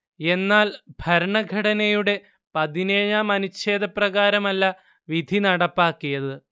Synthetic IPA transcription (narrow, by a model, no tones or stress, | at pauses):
e̞nːaːlbʱɐɾɐɳɐɡʱɐɽɐnɐjuɽe̞ | pɐðineːjaːmɐnuɕe̞ːd̪ɐprɐɣaːɾɐmɐlːɐ | ʋid̪ʱinɐɽɐpːaːkːijɐðɨ